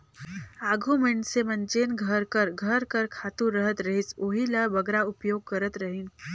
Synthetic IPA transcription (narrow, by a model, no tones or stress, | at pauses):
aːɡʱumɪɳɖsemənt͡ʃeːnɡʱəɾkəɾɡʱəɾkəɾkʰaːt̪ũɾəɦət̪ɾəɦisoːɦiləbəɡɾaʊpjoːɡ̚kəɾət̪ɾəɦin